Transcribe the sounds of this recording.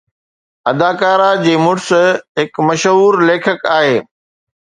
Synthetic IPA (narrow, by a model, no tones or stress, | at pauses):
ɐd̪aːkaːɾad͡ʑeːmʊʈsɦɪkmɐʃɦuːɾleːkʰəkaːɦeː